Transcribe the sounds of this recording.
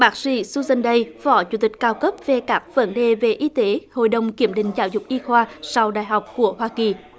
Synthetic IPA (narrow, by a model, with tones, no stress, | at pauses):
ɓaː˦˥k̚sḭ˧˩su˧zə˧˩nɗə˧jfɔ˧˨˦t͡ɕu˧˩t̪ï˨˩k̟̚kaː˧wkə˦˥p̚ve˨˩kaː˦˥k̚və̰˧˦nɗe˨ve˨˩ʔi˧˦t̪e˨˦ho̰˧˨jɗə˨˩wŋ͡mki˧˩əmɗḭ̈˧˨ŋ̟zaː˧˨˦wzʊ˨˩k͡p̚ʔi˧xwaː˧sa˧wɗaː˧˨jɦa˨˩wk͡p̚ku˧˩əɦwaː˧ki˨˩